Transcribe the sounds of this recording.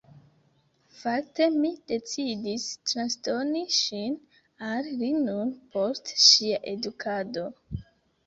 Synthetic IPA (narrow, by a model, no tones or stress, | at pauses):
fak̚te̞mid̥e̞t͡sidistɾansto̞niʃin | allinunpʰo̞stʃiaʔe̞dukʰado̞